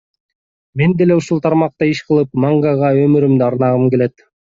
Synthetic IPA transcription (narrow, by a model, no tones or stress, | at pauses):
me̞nd̪e̞le̞uʃulˠt̪ʰɑɾmɑq̚t̪ɑiʃqɯlˠɯpmɑŋɡɑʁɑømyɾymd̪yɑɾnɑʁɯmke̞le̞t̪